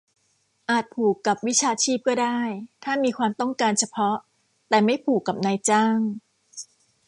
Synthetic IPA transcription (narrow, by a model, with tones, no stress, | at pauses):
ʔaː˨˩t̪̚pʰuː˨˩kːa˨˩p̚wi˦˥t͡ɕʰaː˧t͡ɕʰiː˥˩p̚kɔː˥˩daː˥˩jt̪ʰaː˥˩miː˧kʰwaː˧mt̪ɔ˥˩ŋkaː˧nt͡ɕʰa˧pʰɔ˦˥ | t̪ɛː˨˩ma˥˩jpʰuː˨˩kːa˨˩p̚naː˧jt͡ɕaː˥˩ŋ